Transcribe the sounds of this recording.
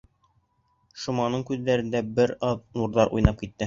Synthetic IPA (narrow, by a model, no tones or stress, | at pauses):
ʃŭmɑnɤɴkʉððːæɾɘ̆nd̪æbɘɾɑðnuɾðɑɾʔṵjnɑp̚kit̪ːɘ